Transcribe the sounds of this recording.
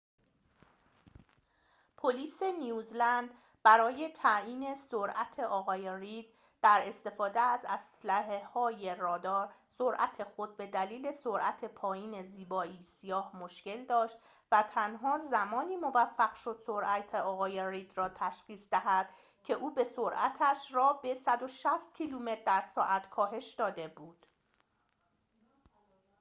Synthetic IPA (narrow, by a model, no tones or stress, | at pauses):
pʰoliːse̞nijuːzlænd̪ | bæɾɒːje̞t̪ʰæiːne̞soɾʔæt̪ʰe̞ʔɒːɣɒːjeriːd̪̥̚ | d̥̪æɾe̞st̪e̞fɒːd̪eæzæslæɦehɒːje̞rɒːd̪ɒːɾsoɾʔæt̪ʰe̞xo̞d̪̚be̞d̪æliːle̞so̞ɾʔæt̪ʰe̞pʰɒːjiːne̞ziːbɒːiːsijɒːhmoʃce̞ld̪ɒːʃt̪ | væt̪ʰænɦɒːzæmɒːniːmo̞væfːæɡʃo̞d̪̥so̞ɾʔæt̪ʰeɒːɣɒːje̞rid̪rɒːt̪ʰæʃχiːsd̪æɦæd̪̥ | cʰe̞ʔuːbe̞soɾʔæ̰t̪ʰæʃɾɒːbe̞sæd̪o̞ʃæst̪̚cʰiːluːme̞t̪̚d̪æɾsɒːʔæt̪ʰkʰɒːɦe̞ʃd̪ɒːd̪e̞buːd̪̥